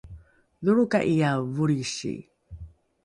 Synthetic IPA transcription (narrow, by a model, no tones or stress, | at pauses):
ðuɾuka̰ʔijavuɾiɕḭ